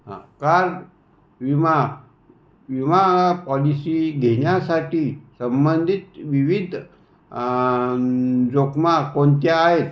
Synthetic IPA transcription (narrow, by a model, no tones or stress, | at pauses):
ɦã̰kaɾ | ʋima | ʋimapɔlisiːɡʱeɳjasaʈiːsəmbənd̪ʱit̪ʋiʋid̪ʱ | d͡zokmakoɳt̪jaːɦet̪